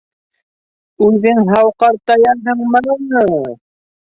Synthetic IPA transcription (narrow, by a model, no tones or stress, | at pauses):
ʉðɘŋɦɑwqɑɾt̪ɑjɑnɦɤɴmɤnɑnɤ